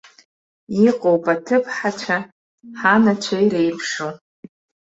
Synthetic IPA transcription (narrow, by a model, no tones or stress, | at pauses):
iqʼowpʼatʰɨpʰħat͡ʃʷʰa | ħanat͡ʃʷʰajɾejpʰʂo